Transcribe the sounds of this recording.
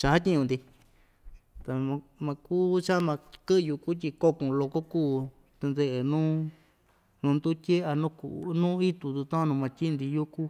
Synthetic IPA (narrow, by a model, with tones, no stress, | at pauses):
t͡ʃa˧ha˦t̪ʲi˦ɲũ˧nd̪i˧ | t̪a˨mã˧mã˧ku˦t͡ʃa˦mã˧kɨ˦˧ju˧ku˦t̪ʲi˧ko˦kũ˨˧lo˧ko˦kuː˦˨ | t̪e˧nd̪e˧ʔe˨nũː˦ | nũː˧nd̪u˦t̪ʲe˦a˧nũ˦kṵ˧˨˧nũ˦i˦t̪u˧t̪u˧t̪ã˦˧nũ˧mã˧t̪ʲi˦˧nd̪i˧ju˦ku˦